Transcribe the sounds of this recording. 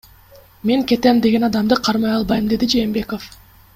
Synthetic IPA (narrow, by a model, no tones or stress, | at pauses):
me̞ŋke̞t̪emd̪e̞ɡʲe̞nɑd̪ɑmd̪ɯqʰɑɾmɑjɑlˠbɑjɯmd̪e̞d̪id͡ʒe̞ːmbe̞kof